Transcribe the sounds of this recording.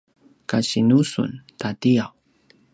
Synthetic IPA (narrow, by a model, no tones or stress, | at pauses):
kaɕinusṵntatiaw